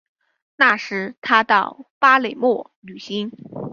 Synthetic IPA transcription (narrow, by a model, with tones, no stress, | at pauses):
na˥˩ʂɻ̩˧˥t̪ʰa˥t̪ɑ˥˩ʊpa˥le˨˩ɪmwɔ˥˩ | ly˨˩ɕi˧˥n